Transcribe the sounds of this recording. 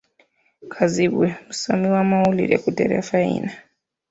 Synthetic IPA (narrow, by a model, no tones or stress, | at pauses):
kʰazibwemusamiwamaulḭɾḛkudeɾḛfaḭna